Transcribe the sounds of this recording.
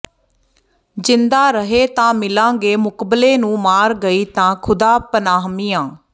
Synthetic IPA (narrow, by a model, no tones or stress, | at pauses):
d͡ʒɪ̃nd̪aːɾəɦeːt̪ãːmɪlãːɡeːmʊkbleːnũːmaːɾɡəiːt̪ãːkʰʊd̪aːpənaːɦmiːãː